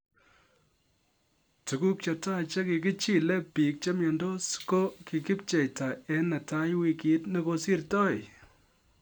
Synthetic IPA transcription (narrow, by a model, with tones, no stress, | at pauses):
tu˨ku˦k̚t͡ʃa˨ta˦˨t͡ʃe˦ki˨ki˦t͡ʃi˦˨lɛ˦pi˨k̚t͡ʃe˦mjɔ˨ndo˦sko˦ki˨ki˦p̚t͡ʃɛ˨jta˨ɛ˦nɐ˨ta˦jwi˨ki˨˦tne˦ko˦si˦rtɔ˦˨j